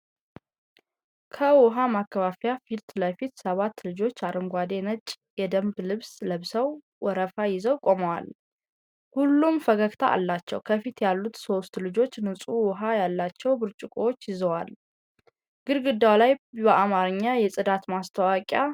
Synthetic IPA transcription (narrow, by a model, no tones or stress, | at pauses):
kʰəwɔɦamakːəβafjafilt̪ləfit̪səβat̪ːlɨd͡ʒo̞t͡ʃːaɾɨŋɡʷad̪e̞nət͡ʃʼː | jɛd̪əmblɨβsləβsəw | wɔɾəfajɪzəwkʼo̞məwa̰l | hulːumfəɡəkt̪ʰaʔa̰lːat͡ʃːɛwkʰəfit̪jalːut̪so̞st̪lɨd͡ʒo̞t͡ʃːnɨsʼuwɔɦajalːat͡ʃːɛwbɨɾt͡ʃʼɪkʼoot͡ʃːjɪzəwal | ɡ̥ɨɾɡɨd̪awlajbəʔamaɾɨɲːajɛsʼɨd̪at̪mast̪ʰəwakʼja